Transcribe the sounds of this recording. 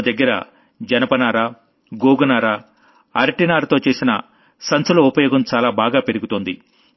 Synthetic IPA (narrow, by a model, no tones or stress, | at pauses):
d̪ɐɡːɐɾɐ̰ | d͡ʒɐnɐpɐnaːɾaː | ɡoːɡunaːɾa | ɐɾɐʈinaːɾt̪oːt͡ʃeːsinɐ̰ | sɐnsulɐupɐjɔːɡɐmt͡ʃaːlaːbaːɡaːpe̞ɾiɡut̪oːnd̪i